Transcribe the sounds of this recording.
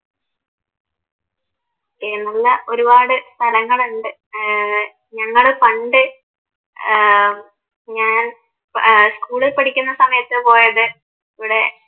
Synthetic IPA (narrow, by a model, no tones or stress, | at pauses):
oːkːenɐlːɐʔo̞ɾubaːɽɨst̪ʰɐlɐŋːɐɭuɳɖɨ | ɲɐŋːɐɭpɐɳɖɨ | ɲaːn | skuːɭilpɐʈʰikʲːunːɐsɐmɐjɐt̪ːɨpo̞ːjɐðɨ | iʋiɽe̞